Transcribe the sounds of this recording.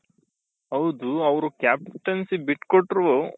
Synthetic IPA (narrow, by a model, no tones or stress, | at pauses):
ɦɐwd̪uɐʋɾukjaːpʈɐnsibiʈkoʈːɾʋo